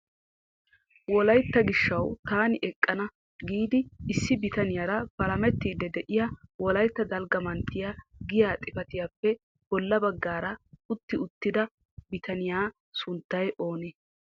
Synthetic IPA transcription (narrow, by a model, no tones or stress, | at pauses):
wɔlɐjt̪ːɐɡɪʃːɐwt̪aːnɪʔɛkʼːɐnɐ | ɡiːd̪ɪɪsːɪbɪt̪ɐnɪjaɾɐpɐlɐmɛt̪ːiːd̪ɛd̪ɛʔɪjɐwɔlɐjt̪ːɐd̪ɐlɡɐmɐnt̪ːɪjaɡɪjaːt̪ʼɪfɐt̪ɪjaːpːɛ | b̥ɔlːɐbɐɡːaːɾɐʊt̪ːɪʊt̪ːɪd̪ɐ | bɪt̪ɐnɪjaː | sʊnt̪ːɐjʔo̞ːneː